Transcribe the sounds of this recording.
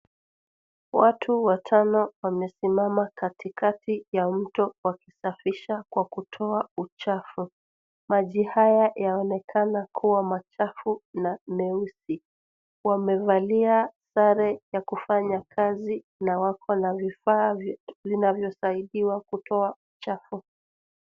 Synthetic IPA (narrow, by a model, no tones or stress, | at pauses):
watʰuwatʰanɔwamɛsimamakatikatijam̩tɔwakisafiʃakwakutʰɔaut͡ʃafu | maʄihajajaɔnɛkʰanakʰuwamat͡ʃafunamɛusi | wamɛvaliasaɾɛjakufaɲakʰazi | nawakʰɔnavifaːvvinavjɔsaiɗiwakutɔaut͡ʃafu